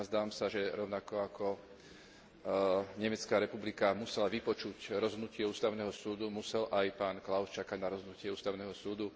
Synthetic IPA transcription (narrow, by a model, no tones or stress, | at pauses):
zd̪aːʋamsaʒɛɾɔʊnakɔakʰɔ | ɲɛmɛt͡skaːɾɛpublikamusɛlaʋipɔt͡ʃucɾɔzɦɔd̪nucɪɛuːst̪aʊnɛːɦɔsuːd̪umusɛlʔajpaːnklaʊst͡ʃakaɟnaɾɔzɦɔd̪nucɪɛuːst̪aʊnɛːɦɔsuːd̪u